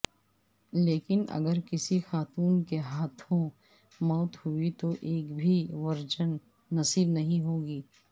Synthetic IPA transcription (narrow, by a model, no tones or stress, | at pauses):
leːkɪnɐ̰ɡəɾkɪsixaːt̪uːnkeɦaːt̪ʰõ | mɔːt̪hʊit̪oʔeːkbʱiʋɐɾd͡ʒənː | ɐsiːbnɐɦĩɦoːɡiː